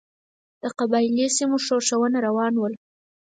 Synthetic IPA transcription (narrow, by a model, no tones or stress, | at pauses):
d̪̥əqabɑɪlisimoʂoʃawənaɾawɑnwəl